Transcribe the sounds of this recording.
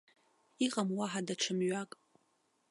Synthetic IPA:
iqʼamwaħadaʈ͡ʂʰɨmɥakʼ

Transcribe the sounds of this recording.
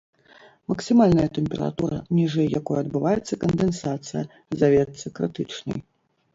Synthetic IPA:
mɐksɨmalʲnɐjɐt̪ɛmʲpʲɛɾa̰t̪uɾɐ̰nʲiʐɛjːakɔjɛɐd̪̚bɨvajɛt̪sːɐkɐnd̪ɛnsat̪sɨjɐ | zavʲɛt̪sɨkɾɨt̪ɨt͡ʂnɐ̰j

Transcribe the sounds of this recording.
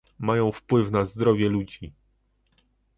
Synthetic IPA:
majɔ̃w̃fpwɘfnazd̪ɾɔvʲjɛlud͡ʑi

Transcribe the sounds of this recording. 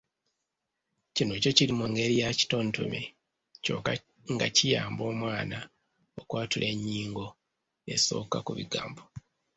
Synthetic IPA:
cino̞co̞cilimuŋɡe̞ɾijaci̥to̞ːnto̰me | co̞̰ːka | ŋɡacijaːmbo̞ːmwaːna | okwaːtulʔe̞ɲːiːŋɡo̞ | e̞̰so̞̰ːka̰kuβḭɡa̰ːmbo

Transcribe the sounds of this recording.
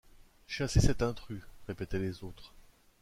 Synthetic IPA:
ʃasesɛt̪ɛ̃t̪χyʁepet̪ɛlezot̪χ

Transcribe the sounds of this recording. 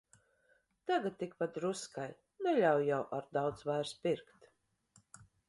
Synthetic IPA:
t̪aɡat̪̚t̪ːik̚pat̪ɾuskaj | nɛlʲawjawʔaɾd̪awt̪svajɾspiɾkt̪

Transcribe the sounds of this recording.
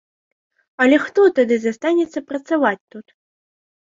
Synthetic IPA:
ɐlʲɛxt̪ɔt̪ad̪ɨzast̪anʲɛt̪sːɐpɾɐt̪savat͡sʲt̪ut̪

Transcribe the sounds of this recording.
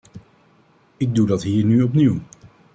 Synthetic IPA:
ɪɡ̚dudɑtɦiːɹnyɔpniw

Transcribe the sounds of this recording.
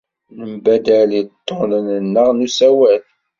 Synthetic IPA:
nəmbæd̪ælit̪ˤːonənənːəʁnusæwæθ

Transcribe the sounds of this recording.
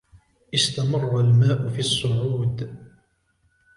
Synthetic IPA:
ʔɪst̪amɑrˤːɑlmaːʔʊfiːɑsˤːʊʕuːd̪

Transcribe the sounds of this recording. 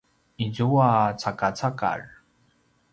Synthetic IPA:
id͡ʑuwat͡sʰakat͡sʰaka̰r

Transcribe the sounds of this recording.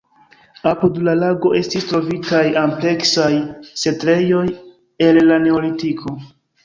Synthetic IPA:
apudlalaɡo̞ʔe̞stistɾo̞vitajample̞ksajse̞tɾe̞jo̞j | e̞lːane̞o̞litikʰo̞

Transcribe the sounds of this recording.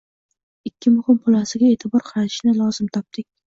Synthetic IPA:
ɪkʲːɪmʊhɪmqʰʊlˠasɪɡʲae̞ːt̪ʰɪbɒɾqʰɑɾat̪ʰɪʃnɪlˠɒzɪmt̪ʰɒp̚t̪ɪk̚ʲ

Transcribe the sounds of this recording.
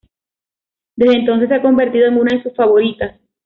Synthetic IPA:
d̪e̞zðent̪o̞ns̬e̞sːeako̞mbe̞ɾt̪iðoe̞ŋunaðesusfaβo̞ɾit̪as

